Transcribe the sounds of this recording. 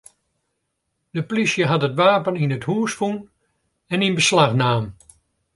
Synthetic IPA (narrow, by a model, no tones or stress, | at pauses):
dəplisjəɦɑtətʋaːpəninəthuːsfun | ɛninbəslaxnaːm